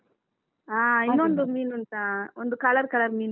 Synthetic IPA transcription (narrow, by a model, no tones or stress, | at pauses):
aːɪnːuɔnd̪ɯmiːnɐnt̪ãːɔnd̪ɯkɐlɐɾkɐlɐɾmiːn